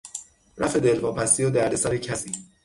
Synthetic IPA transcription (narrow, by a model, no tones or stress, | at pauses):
ræ̰fe̞d̪elvɒːpʰæst̪iːod̪æɾd̪esæɾecʰæsiː